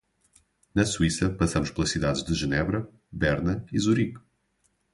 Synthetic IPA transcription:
nɐsuisɐpɐsɐmʊʃplˠɐʃsiðaðʒðɨʒɨnɛβɾɐ | bɛɾnɐizuɾiɣ

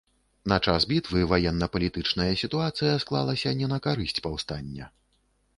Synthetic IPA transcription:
nɐt͡ʂasbʲit̪vɨvajɛnːɐpɐlʲit̪ɨt͡ʂnɐjɐsʲit̪uat̪sɨjɐsklˠa̰lˠɐsʲɐnʲɛnɐkaɾɨsʲt͡sʲpawst̪anʲːɐ̰

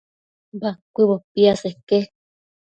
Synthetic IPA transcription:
bakʷiβopiaseke

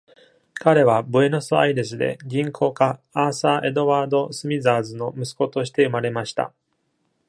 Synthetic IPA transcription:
kaɾe̞βabɯ̟e̞nosɨa̰id̪e̞s̬ɨd̪e̞̰ɡʲĩŋkʰo̞ːkaːsaʔe̞d̪o̞βaːd̪o̞sɨmʲizaːzɨno̞mɯ̟sɨ̥ko̞t̪o̞ɕ̬i̥t̪e̞ɯ̟maɾe̞maɕi̥t̪a̰

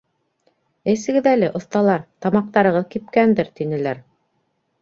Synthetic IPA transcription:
ɘ̆sɘ̆ɡɘðælɘʔŏθt̪ɑlˠɑɾt̪ɑmɑq̚t̪ɑɾɤ̆ʁɤðkip̚kænd̪ɘɾt̪inɘ̆læɾ

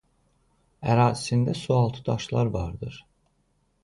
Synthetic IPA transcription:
æɾaːzisind̪ɛsualˠt̪ʰɯd̪aʃlˠaɾvaɾd̪ɯɾ̥

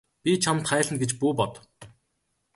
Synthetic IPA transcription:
pʲit͡ɕʰamt̪χæːɮɘ̆nɡet͡ɕpuːpɔt̪

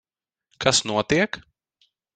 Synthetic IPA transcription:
kasnuɔt̪iɛk

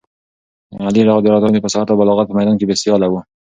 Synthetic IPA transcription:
aliɾaɣod̪ɑɾɑt̪ɾnd̪epəsahaɾt̪abalɑɣat̪̚pəmajd̪ɑnkebesijɑlawu

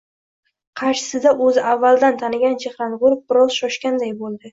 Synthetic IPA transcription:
qʰɑɾʃɪ̥sɪd̪aʔɵzɪʔavːalˠd̪ant̪ʰanɪɡʲant͡ʃʰehɾanʁʊɾʊfbɪɾɒzʃɒʃkʲand̪ajbolˠd̪ɪ

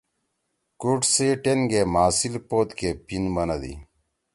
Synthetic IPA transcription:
kuʈseʈenɡemaːsilpoːt̪kepinbɐnɐd̪ḭ

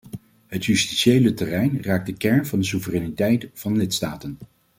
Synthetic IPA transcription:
ɦətjysti̥sejlətɛrɛjnraːk̚dəkɛɹnvɑndəs̬uvərɛnitɛjtfɑnəlɪtstaːtən

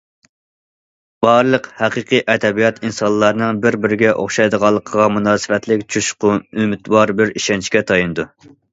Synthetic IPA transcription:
b̥ɑɾlˠəqhæqɨqʰiʔɛd̪ɛbijɑt̪insɑnlˠːɑɾnɨŋbɪɾbɪɾɪɡʲɛʔo̰χʃɑjd̪əʁɑlˠːəqʰəʁɑmunɑːsɨwɛt̪lɪkʲt͡ʃʰuʃqʰʊymɪt̪wɑɾbɪɾiʃɛnt͡ʃʰkʲɛt̪ʰɑjinɨd̪u

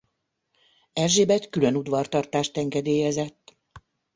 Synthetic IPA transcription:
ɛrʒeːbɛckylønud̪ʋɒrt̪ɒrt̪aːʃt̪ɛŋɡɛd̪eːjɛzɛt̪ː

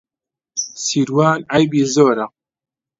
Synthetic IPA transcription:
siːɾwaːnʕajbiːzoːɾa

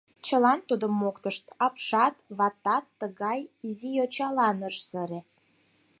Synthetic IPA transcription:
t͡ɕəlɑnt̪ud̪əmːokt̪əʃt̪ɑpʃɑt̪βɑt̪ɑt̪ːəɣɑjizijot͡ɕɑlɑnəʃzəɾe

